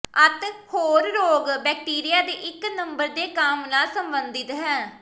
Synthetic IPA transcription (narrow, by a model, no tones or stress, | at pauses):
ət̪hoːɾːoːɡbɛːk̚ʈiːɾijaːd̪ḛːʔɪknəmbəɾd̪eːkaːmnaːlsəmbənd̪ɪt̪ɦɛː